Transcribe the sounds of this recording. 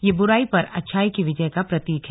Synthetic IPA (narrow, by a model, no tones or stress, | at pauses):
jebʊɾaːipɐɾɐ̰tːʃʰaːikiʋɪd͡ʒəjkapɾɐt̪iːkɦɛ